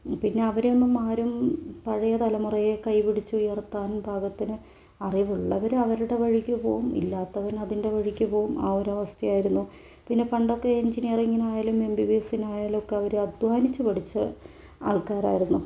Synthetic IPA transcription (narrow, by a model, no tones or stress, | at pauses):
pinːe̞ɐʋɐɾonːɐmaːɾumpɐɻɐjɐt̪ɐlɐmurɐjekɐjpiɽit͡ɕːuujɐrt̪ːaːnbʱaːɡɐt̪ːinɨ | ɐriʋuɭːɐʋɐɾɐʋɐɾuɽe̞ʋɐɻikʲːupo̞ːʋumḭlːaːt̪ːɐʋɐɾɐðinde̞ʋɐɻikʲːupo̞ːuma̰ːoɾɐʋɐst̪ʰɐjaːjiɾunːu | pinːe̞pɐɳɖo̞kːe̞eɲd͡ʑiniriŋːinaːjaːlume̞mbiʋeːsinaːjaːlo̞kːe̞ɐʋɐɾeɐd̪ʋaːnit͡ɕːupɐɽit͡ɕːɨ | a̰ːɭkaːɾa̰ːjiɾunːu